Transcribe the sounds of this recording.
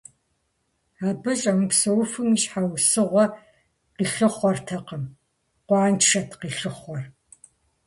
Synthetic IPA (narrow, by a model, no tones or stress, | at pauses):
aːbɨɕʼɐmɨpsɐwfɨmiʃħawsɨʁʷɔ | qiːɬɨχʷɔrtʰɐqəm | qʷɑːnt͡ʃʂɐtʰqiːɬɨχʷɔr